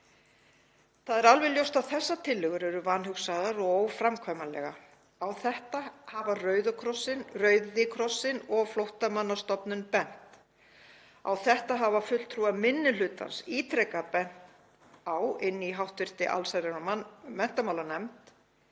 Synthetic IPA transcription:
θaðɛɾalvɛljowst̪awθɛsːat̪ʰɪlːʏɣʏɾɛɾʏvanhʏksaðaɾɔowfɾamkʰvamalɛ̰ɣa | awθɛht̪ahavarœːɥðʏkʰɾɔsɪnrœːɥðɪkʰɾɔsːɪnɔɣflowht̪amanːast̪ɔpnʏnpɛn̥t̪ | a̰wθɛht̪aɦavafʏl̥t̪ʰɾuamɪnːɪlʏːt̪a̰nsiːt̪ʰɾɛkapɛn̥t̪ | awɪnːiɦawht̪vɪr̥t̪ɪʔa̰lsaɾɛnamɛn̥t̪amawlanɛmt̪

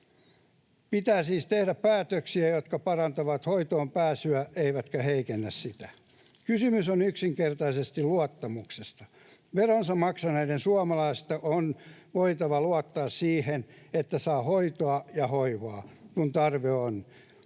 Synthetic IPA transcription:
pit̪æːsiːst̪ehdæppæːt̪øksiæjot̪kɑpɑrɑnt̪ɑʋɑt̪hoit̪oːmpæːsyæʔeiʋæt̪kæheikenːæssit̪æ | kysymysonyksiŋkert̪ɑisest̪iluɑt̪ːɑmuksest̪ɑ̥ | ʋeronsɑmmɑksɑneidensuɑmɑlɑist̪ɑʔonʋoit̪ɑʋɑluɑt̪ːɑːssiːhen | et̪ːæsɑːhoit̪oɑjɑhoiʋɑkunt̪ɑrʋeon

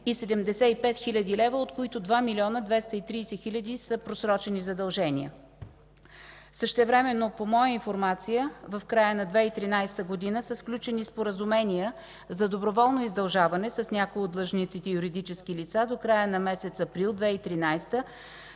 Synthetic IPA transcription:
isɛd̪ɛmd̪ɛsɛipɛt̪xilʲɐd̪ilɛvəot̪koit̪od̪vamilʲiɔnəd̪vɛst̪əit̪ɾiːsɛxilʲɐd̪isəpɾosɾɔt͡ʃɛnizɐd̪ɐlˠʒɛnʲiə | səʃt̪ɛvɾɛmɛnːopomɔjəinfoɾmat̪sijəvəfkɾajənɐd̪vɛit̪ɾinajst̪əɡod̪inəsəsklʲut͡ʃɛnispoɾəzumɛniə | zɐd̪obɾovɔlˠnoizd̪ɐlˠʒavɐnɛsəsnʲakojod̪lˠəʒnit̪sit̪ɛjuɾid̪it͡ʃɛskilit̪sad̪okɾajənɐmɛsɛt̪sɐpɾilˠd̪vɛit̪ɾinajst̪ə

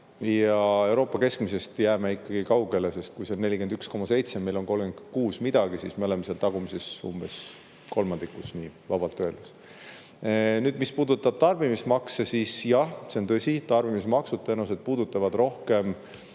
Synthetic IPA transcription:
jɑe̞wɾo̞ːpːˑɑke̞skmise̞st̪jæːmeikːˑɑɡ̥ikɑwɡe̞lese̞st̪̚kujsenːe̞lʲikend̪yksko̞mɑse̞jt̪se̞mːe̞jlo̞nko̞lɡend̪kuːsmid̪ɑɡ̥isiːsme̞o̞le̞meseɑlt̪ɑɡ̥umise̞sṵmb̥e̞s | ko̞lmɑnd̪ikːˑusniːvɑb̥ɑlt̪ːøeld̪̥us | nyːd̪mispuːd̪ut̪ːˑɑb̥̚t̪ɑrbimismɑksesisjɑhse̞ont̪ɤsʲit̪ɑrb̥imismɑksud̪̚t̪enused̪̥̚puːd̪ut̪ːˑɑvɑd̪ro̞hke̞m

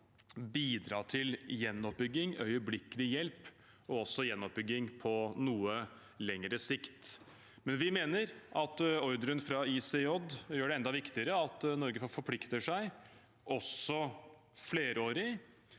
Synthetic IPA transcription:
biːd̪ɾɑːʈ̪ʰɪljɛnːɔp̚bʏɡːɪŋœ̰ʏəblɪkəlɪjɛlp | ɔɔsːɔjɛnːɔp̚bʏɡːɪŋpʰɔnuːə | lɛŋɾəsɪkt̪ | mɛnʋɪmeːnəɾʔɑt̪ɔɾd̪ɾənfɾɑiːseɔd̪jøːɖɛɛnd̪ɑʋɪkt̪ɪəɾəɑt̪nɔɾɡəfɔfɔɾpʰlɪkt̪əʂæɪ | ʔɔsɔ | fleːɾəoːɾɪ

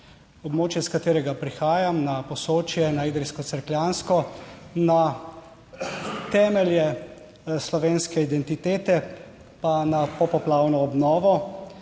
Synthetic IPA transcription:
ɔbmoːt͡ʃjɛskat̪eːɾɛɡapɾixaːjamnapɔsoːt͡ʃjɛnaiːd̪ɾiskɔt̪sɛɾkljanskɔna | t̪ɛːmɛljɛ | slɔʋeːnskɛid̪ɛnt̪it̪eːt̪ɛ | panapɔpɔplaːwnɔːbnɔːʋɔ

